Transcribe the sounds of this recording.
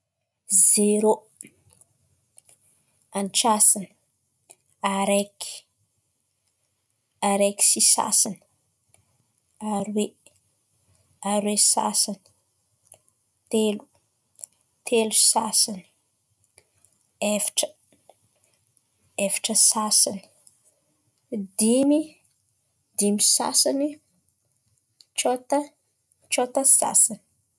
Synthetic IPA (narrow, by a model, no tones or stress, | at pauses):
zeɾo | anʈ͡ʂasinə̥ | aɾeki̥ | aɾeki̥sisa̰san | aɾiwe | aɾwesa̰sani̥ | t̪elu̥ | t̪ʰelusasini̥ | evi̥ʈ͡ʂə̥ | evi̥ʈ͡ʂəsasini̥ | d̪imi | d̪imisa̰sani | t͡ʃot̪ə | t͡ʃot̪əsa̰sani̥